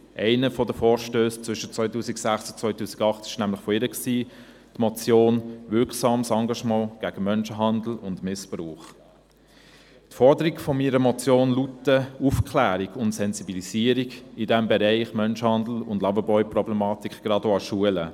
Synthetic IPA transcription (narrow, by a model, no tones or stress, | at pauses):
ʔɛɪnəfɔdəfɔːɾʃtøːst͡sʋʏʃət͡sʋœʏtuːsiksæχsʊt͡sʋœʏtuːsi̥ɡɑχtɪ̥ʃnæmlɪχfɔɪɾəksiː | tmɔt͡sjoːnʋɪɾksɑːmsɑŋɡɑʃmɑ̃ːɡ̥æːɡ̥əmœnʃəɦɑndl̩ʊndmɪspɾuːχ | tfɔɾdəɾikfɔmiːɾəmɔt͡sjoːnlutəufkʰlæːɾiɡʊntsɛnzibilisiːəɾiɡidɛmbɛɾæɪχmœnʃəhɑnd̪l̩ʊndlɑbəbɔʏprɔblɛmɑːtikʰɡ̥ɾɑdoɑʃuələ